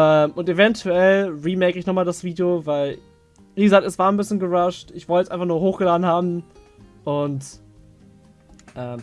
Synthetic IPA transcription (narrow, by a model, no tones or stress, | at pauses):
ʔɛːmʔʊntevɛntʰuɛlʁiːmɛkɪçnɔχmaːldasv̥iːdiovaɪl | viːɡəzaːk̚tɛsv̥aːɐnbɪsçənɡəʁaʃtʔɪçv̥ɔltəjɛsʔaɪnfaχnuːɐɦoːxɡ̥əlaːdn̩haːbm̩ | ʔʊnt | ʔɛːm